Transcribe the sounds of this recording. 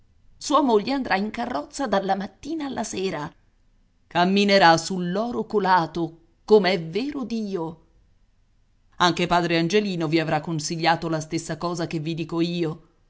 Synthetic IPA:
suːamoʎːeand̪ɾʔaiŋkarːɔt̪sːad̪alːamat̪ːiːnaːlːʔaseːɾa | kamːineɾasulːɔːɾokolaːt̪o | komeɛveːɾod̪iːo | aŋk̟epaːd̪ɾeand͡ʒeliːnoviavɾakːonsiʎːaːt̪olast̪esːakɔːzakevːid̪iːkoiːo

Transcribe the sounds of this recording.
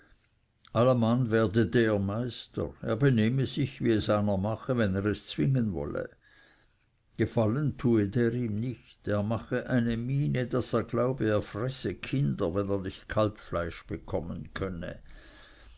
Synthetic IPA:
ʔalamanvɛːɐdədeːɐmaɪstə̰ʁeːɐbeneːməzɪçviɛsaɪnɐmaχəvɛneːʁɛst͡sw̥ɪŋənvɔ̰lə̰ | ɡ̥efaləntʰuːedeːʁiːmnɪçteːɐmaχəʔaɪnəmiːnədaseːɐɡlaʊbəeːɐfrɛsəkʰɪndɐvɛneːɐnɪçtkʰalpflaɪʃb̥əkʰɔmənkʰœnə̰

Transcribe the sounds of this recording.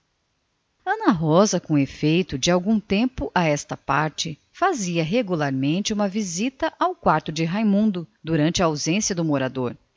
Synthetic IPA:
ɐ̃nɐɦɔzɐkõefejt̪ʊd͡ʒɪawɡũt̪ẽmpʊʔaɛst̪ɐpaɾt͡ʃɪ | faziɐɦeɡulaɾmẽnt͡ʃɪũmɐvizit̪ɐʔawkwaɾt̪ʊd͡ʒɪɦajmũnd̪ʊd̪uɾɐ̃nt͡ʃɪɐawzẽsjɐd̪ʊmoɾad̪oɾ

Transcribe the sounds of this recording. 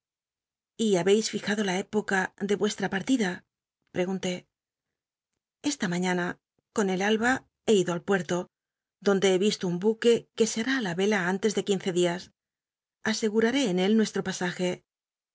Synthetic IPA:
iaβe̞jsfixaðo̞lae̞po̞kaðe̞βwe̞st̪ɾapaɾt̪iða | pɾe̞ɣunt̪e̞ | e̞st̪amãɲana | ko̞ne̞lalβa | e̞iðo̞alpwe̞ɾt̪o̞ | ðo̞nd̪e̞eβist̪oumbuke̞ke̞seaɾaːlaβe̞laant̪e̞zðe̞kinθe̞ðias | ase̞ɣuɾaɾe̞ːne̞lnwe̞st̪ɾo̞pasaxe̞

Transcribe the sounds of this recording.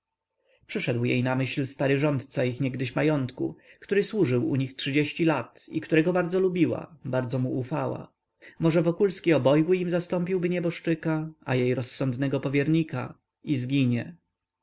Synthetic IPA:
pʂɘʂɛd̪wjḛjnamɘɕlst̪aɾɘʐɔnt̪t̪saixɲɛɡd̪ɘɕmajɔnt̪kṵkt̪uɾɘswuʐɘwṵɲixtʂɘd͡ʑeɕt͡ɕilat̪ḭkt̪uɾɛɡɔbaɾd̪zɔlubʲiwa̰baɾd̪zɔmuʔufawa̰ | mɔʐɛvɔkulskʲiɔbɔjɡwɘimzast̪ɔmpʲiwbɘɲɛbɔʂt͡ʂɘkaajejɾɔsːɔnd̪nɛɡɔpɔvʲjɛɾɲika̰ | izɡʲiɲɛ

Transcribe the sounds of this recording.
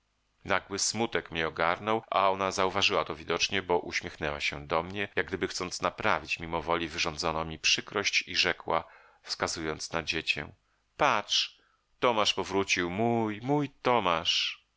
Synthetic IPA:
naɡwɘsmut̪ɛkmʲɲɛɔɡaɾnɔwʔa̰ɔnazauvaʐɘwat̪ɔvʲid̪ɔt͡ʂɲɛbɔʔuɕmʲjɛxnɛwa̰ɕɛ̰d̪ɔmɲɛjaɡ̚ɡd̪ɘbɘxt̪sɔnt̪snapɾavʲit͡ɕmʲimɔvɔlʲivɘʐɔnd̪zɔnɔmʲipʂɘkɾɔɕt͡ɕiʐɛkwa̰ | fskazujɔnt̪snad͡ʑet͡ɕɛ̰ | patt͡ʂ | t̪ɔmaʂpɔvɾut͡ɕiwmujmujt̪ɔmaʂ

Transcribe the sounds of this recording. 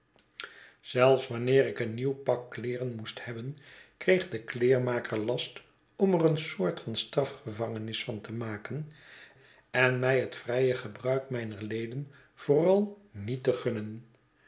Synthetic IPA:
z̥ɛlˠfsʋɑnɪːɾɪkəniwpɑkːlɪːrənmusthɛbənkrejχdəklɪːɹmaːkəɹlɑst | ɔmərənsʊːɹtfɑnstrɑfχəvɑŋənɪsfɑntəmaːkən | ɛnmɛjɦətfrɛjəχəbrœɥkmɛjnəɹlejdən | v̥orɑlˠ | nitəχɵnən

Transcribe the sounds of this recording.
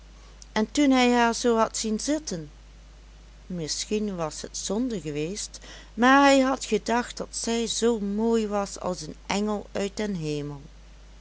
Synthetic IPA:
ʔɛntunɦɛjɦaːɹzoːɦɑtsinzɪtən | mɪsxinʋɑsɦətsɔndəɹɣəʋeːst | maːɹɦɛjɦɑtχədɑxtd̥ɑtsɛjzowmoːjʋɑsɑ̰lˠsənʔɛŋəlˠœɥt̚dənɦeːməlˠ

